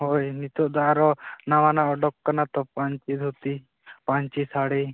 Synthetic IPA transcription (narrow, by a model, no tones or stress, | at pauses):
ɦojnit̪ɔd̪aaɾɔnawanaʔɔɖɔkːanat̪ɔpaɲt͡ʃid̪ʱut̪i | paɲt͡ʃisaɽe